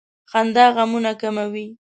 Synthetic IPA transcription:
xand̪ɑɣamunakamawi

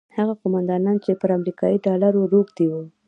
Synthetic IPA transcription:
haɣaqʊmand̪ɑnɑnt͡ʃepəɾamɾikɑiɖɑlaɾoɾoɡd̪iwu

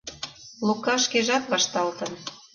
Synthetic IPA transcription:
lukːɑʃkeʒɑt̪βɑʃt̪ɑlt̪ə̆n

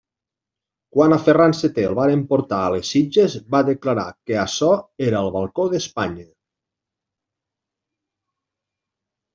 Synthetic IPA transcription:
kwanaferanset̪elˠβaɾempoɾt̪aəlesid͡ʒezbaðeklaɾakeasɔeɾəəlˠβalˠkoðespaɲə

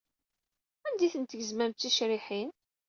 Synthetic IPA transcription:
ænd̪iθənt̪əʝəzmæmt̪θiʃɾiħin

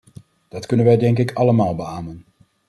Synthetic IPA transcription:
d̥ɑtkɵnənʋɛjdɛŋk̬ɪkʰɑləmaːlˠbəaːmən

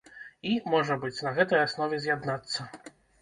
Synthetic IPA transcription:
imɔʐɐbɨt͡sʲnɐɣɛt̪ɐjasnɔvʲɛzʲjad̪nat̪sːɐ

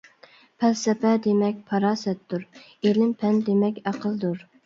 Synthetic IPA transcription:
pʰɛlsɛpɛd̪emɛk̚ʲpʰɑɾɑːsɛt̪ːuɾ | elɪmpʰɛnd̪emɛkʲæqʰəlˠd̪uɾ

